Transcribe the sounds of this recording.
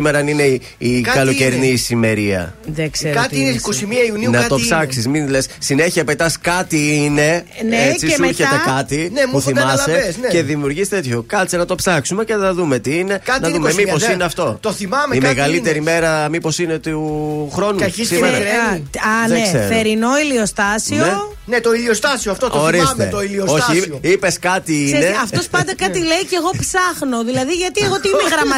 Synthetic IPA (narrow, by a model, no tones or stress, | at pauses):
imeɾɐnine | ikɐlo̞ceɾinisime̞ɾiɐ̰ðesekɐt̪inekosimiɐiuniunɐt̪opsɐksizmilessine̞çiɐpet̪ɐskɐt̪iine̞net͡siuɾçet̪ekɐt̪inepuθimɐsseesnce̞ðimiuɾʝist̪e̞t̪ço̞kɐlt͡senɐt̪o̞psɐksume̞ce̞θɐðume̞t̪iine̞kɐnɐðummemiposineɐft̪o̞t̪oθimɐmeimeɣɐlit̪e̞ɾime̞ɾɐmipo̞sine̞t̪uxɾo̞nuɐissimeɾɐɾeɐneseeɾinoiliost̪ɐsioe | net̪oiliost̪ɐsioɐft̪ooɾiset̪oiliosoçioipe̞skɐt̪iine̞ɐft̪o̞spɐnd̪ɐkɐt̪ilejceɣo̞psɐxno̞ðilɐðiʝɐt̪ieɣot̪ineɣɾɐmɐ